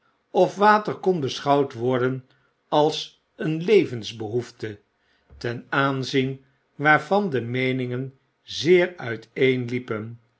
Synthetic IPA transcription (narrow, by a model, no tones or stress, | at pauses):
ɔfʋaːtəɹkɔnbəsχɑwtʋɔɹdən | ɑlˠs | ənlejvənzbəɦuftə | tɛnaːnzin | ʋaːɹvɑndəmejnɪŋən | zɪːɹœɥtʰejnlipən